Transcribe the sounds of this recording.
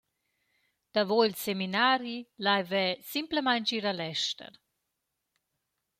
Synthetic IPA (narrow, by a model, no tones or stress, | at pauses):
d̪̥avojlseminaːɾilajvɛsimpləmajnt͡ʃiːɾalɛʃtə̰ɾ